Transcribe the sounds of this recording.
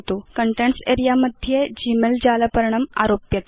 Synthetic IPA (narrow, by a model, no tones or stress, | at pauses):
t̪okəɳʈeɳseɾijaməd̪ʱːjed͡ʑimeld͡ʑaləpəɾɳ̃əma̰ɾopjət̪